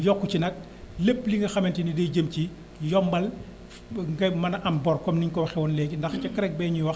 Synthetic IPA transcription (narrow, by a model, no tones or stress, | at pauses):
jɔkːucinɐt̚ | lepːliŋɡɐxɐmɛntinidɐjɟəmci | jɔmbɐl | ŋɡɐmɐnɐʔɐmbɔrkɔmniɲkɔwxɛwɔnlɛːɡindɐxt͡ʃɐkɾɛk̚bɛɲuwɐx